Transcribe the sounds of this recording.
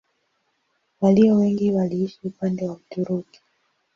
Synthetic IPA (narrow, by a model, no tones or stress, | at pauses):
waliɔwɛŋɡiwaliiʃiupandɛwam̩tuɾuki̥